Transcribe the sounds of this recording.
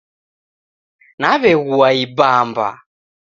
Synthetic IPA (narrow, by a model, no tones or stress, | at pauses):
naβɛɣuaibamba̰